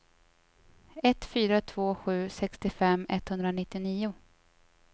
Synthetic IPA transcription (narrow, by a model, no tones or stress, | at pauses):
ɛt̪fyːɾat̪ʰv̥oːɧʉ̟ːsɛkst̪ɪfɛmːɛt̪hɵnd̪ɾanɪt̪ːɪniːʊ